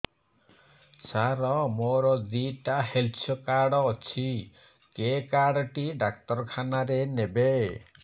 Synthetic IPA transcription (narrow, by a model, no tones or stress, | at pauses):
saɾɔmoɾɔd̪iʈahelt͡ʃʰɔkaɽɔːt͡ʃʰi | kekaɽɔʈiɖak̚t̪ɔɾkʰanaɾenebe